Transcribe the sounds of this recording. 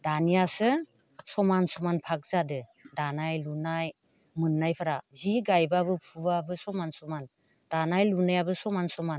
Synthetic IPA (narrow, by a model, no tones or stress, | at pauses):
danijasɯ | sɔmansɔmanpʰak̚zadɯdanajlunaj | mɯnːajpʰaɾaziɡajbabɯpʰubabɯsɔmansɔman | d̥anajlunajabɯsɔmansɔman